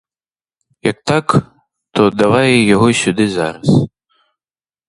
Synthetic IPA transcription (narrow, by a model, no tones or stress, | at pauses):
jɐk̚t̪ak | t̪ɔd̪avajɛjaɣɔsʲud̪ɨza̰ɾɐs